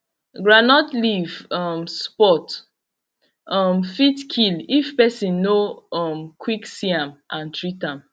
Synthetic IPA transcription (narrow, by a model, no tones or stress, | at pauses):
ɡɹanɔtlivɔmspɔt | ɔmfitkʰilifpɛsĩnːoɔmkʰwiksiãmãntɹitãm